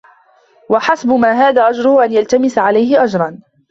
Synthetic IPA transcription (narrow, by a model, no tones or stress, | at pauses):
waħasbʊmaːɦaːðaːʔad͡ʒɾʊhʊʔanjalt̪amɪsaʕalajhɪʔad͡ʒɾˤɑn